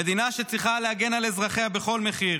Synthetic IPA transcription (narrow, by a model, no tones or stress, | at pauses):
ed̪inaʃet͡sʁiχaleaɡe̞nalezʁaχeabe̞χo̞lme̞χiʁ